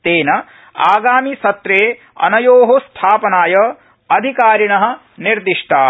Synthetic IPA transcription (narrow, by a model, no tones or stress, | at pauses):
t̪eːnɐ | aːɡaːmisɐt̪ɾeː | ɐ̰nɐjoːɦost̪ʰaːpɐnaːjɐ | ɐd̪ʱikaːɾiɳɐɦɐ̆ | niɾd̪iʂʈʰaː